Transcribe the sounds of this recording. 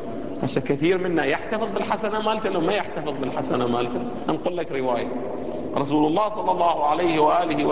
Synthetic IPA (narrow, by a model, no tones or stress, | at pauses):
ʕaʃaːnkaθiːɾmɪnːajɪħt̪ɑfɨðˤbɪlħasanamaːlt̪alawmajɪħt̪ɑfɨðˤbɪlħasanamaːlt̪a | ʔanqʊlːakɾɪwaːja | ɾˤɑs̬uːlɑlˤːɑːhsˤɑlːɑlˤːɑːhʊʕalajhɪwaʔaːlɪhɪ